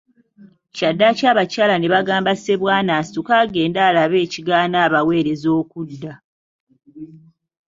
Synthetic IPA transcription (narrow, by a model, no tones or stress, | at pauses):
cadːacaːβacaːlane̞βaɡaːmbase̞βwaːnaːsi̥tukaːɡe̞ːndaːlaβe̞ːciɡaːnaːβawe̞ːɾe̞zo̞ːkudːa